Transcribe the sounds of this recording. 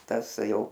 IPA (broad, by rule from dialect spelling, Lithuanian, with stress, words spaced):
ˈtɐs ˈjɛʊ